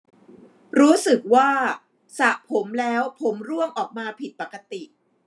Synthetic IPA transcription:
ɾuː˦˥sɯ˨˩k̚waː˥˩ | sa˨˩ʔpʰo˩˦mlɛː˦˥wpʰo˩˦mɾu˥˩əŋʔɔː˨˩k̚maː˧pʰi˨˩t̪̚pa˨˩kːa˧t̪i˨˩ʔ

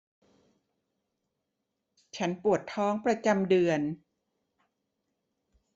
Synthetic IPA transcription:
t͡ɕʰa˦˥npu˨˩ət̪ʰːɔː˦˥ŋpɾa˧t͡ɕa˧mdɯ˧ən

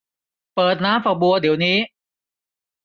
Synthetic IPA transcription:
pɤː˨˩t̪̚naː˦˥mfa˨˩bu˧ɐd̪i˨˩˦wniː˦˥

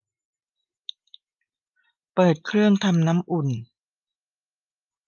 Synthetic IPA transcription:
pɤː˨˩t̪̚kʰɾɯ˥˩əŋt̪ʰa˧mna˦˥mʔu˨˩n

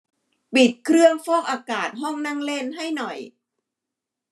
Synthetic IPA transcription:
pi˨˩t̪̚kʰɾɯ˥˩əŋfoː˥˩k̚ʔaː˧kaː˨˩t̪̚ɦɔ˥˩ŋna˥˩ŋle˥˩nɦa˥˩jnɔ˨˩j

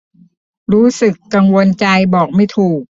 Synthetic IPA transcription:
ɾuː˦˥sɯ˨˩kːa˧ŋwo˧nt͡ɕa˧jbɔː˨˩k̚ma˥˩jt̪ʰuː˨˩k̚

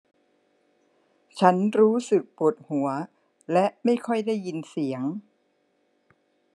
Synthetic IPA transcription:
t͡ɕʰa˦˥nɾuː˦˥sɯ˨˩k̚pu˨˩ət̪̚hu˩˦ɐ | lɛ˦˥ʔma˥˩jkʰɔ˥˩jda˥˩jːi˧nsi˩˦əŋ

